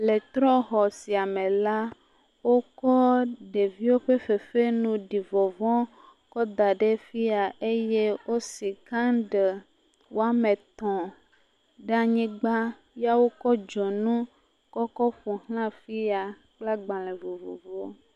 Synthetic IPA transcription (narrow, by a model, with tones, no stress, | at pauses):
le˨t̪ɾɔ˦xɔ˨si˨a˨mẽ˨la˦ | wo˦kɔ˦ɖe˨vi˦wo˦ɸe˦ɸe˨fe˦nũ˨ɖi˨vɔ˨vɔ̃˦ | kɔ˦d̪a˨ɖe˦fi˦a˨e˦je˦wo˦si˨kã˦ɖe˨ | wo˦a˦me˨t̪ɔ̃˨ | ɖa˨ɲĩ˦ɡ͡ba˦ | ja˦wo˦kɔ˦d͡ʒɔ˨nũ˦ | kɔ˦kɔ˦ɸu˨hlã˦fi˦a˨ | k͡pla˦ɡ͡bã˨lɛ̃˨vo˨vo̰˨vo˦